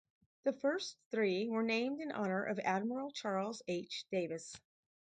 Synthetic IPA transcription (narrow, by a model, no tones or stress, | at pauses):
ðɨfɜ˞sθɹiwə˞nẽɪ̃mdɨ̃nʔɑnə˞ʔʌ̰væd̚mə˞l̩ˠt͡ʃʰɑɹlˠzeɪt͡ʃd̥eɪvɨs